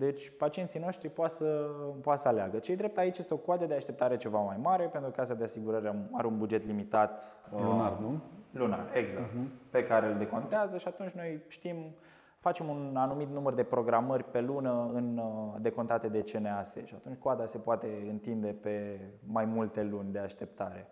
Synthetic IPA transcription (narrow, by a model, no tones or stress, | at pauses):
d̪e̞t͡ʃʲpat͡ʃiensijno̞ʃt̪ɾipoat̪səpoat̪səaleaɡət͡ʃejd̪ɾe̞p̚t̪ait͡ʃjest̪eo̞koad̪əd̪eaʃt̪e̞p̚t̪aɾe̞t͡ʃe̞vamajmaɾe̞pe̞nt̪ɾukəasad̪easiɡuɾəɾaaɾeunbud͡ʒe̞t̪limit̪at̪unarluna̰re̞ɡzakt̪pe̞kaɾeld̪e̞kont̪eazəʃiat̪unt͡ʃʲno̞jʃt̪im | fat͡ʃe̞munanumit̪numərd̪e̞pɾo̞ɡɾamərʲpe̞lunəɨnd̪e̞ko̞nt̪at̪e̞d̪e̞t͡ʃenease̞̰ʃiat̪unt͡ʃʲkoad̪ase̞poat̪e̞ɨnt̪ind̪e̞pe̞majmult̪e̞lunʲd̪e̞aʃt̪e̞pt̪aɾe̞